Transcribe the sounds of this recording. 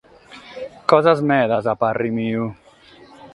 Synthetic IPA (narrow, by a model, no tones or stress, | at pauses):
kɔzazmɛðazaparimiu